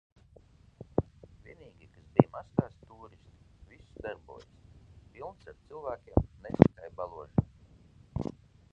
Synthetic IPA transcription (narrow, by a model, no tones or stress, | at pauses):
vʲiɛniːɡʲikasbijmast̪aːst̪uːɾist̪i̥ | visd̪aɾbṵɔːjspilˠnsaɾt̪silˠvæːkʲiɛmnɛt̪ikajbalˠuɔʒa